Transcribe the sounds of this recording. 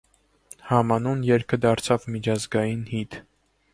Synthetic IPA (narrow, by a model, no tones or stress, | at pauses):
hɑmɑnunjɛɾkʰəd̪ɑɾt͡sʰɑvmit͡ʃʰɑzɡɑjinhit̪